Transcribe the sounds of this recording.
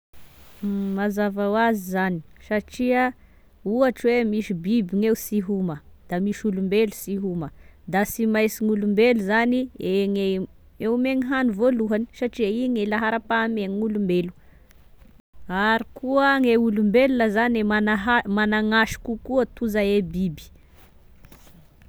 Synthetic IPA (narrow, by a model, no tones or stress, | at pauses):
mazavawazizani̥saʈ͡ʂiə | uaʈ͡ʂwemiʃibibiŋeusiɦuməd̪̥amiʃulumbelusiɦuməd̪asimajsiŋulumbeluzanieŋe | eumeŋiɦanuvoluɦani̥saʈ͡ʂiəiŋelaɦaɾapameŋŋulumbelu̥ | aɾikuəŋeulumbelulazaneanaɦamanaŋaʃi̥kukuət̪uzaebibi̥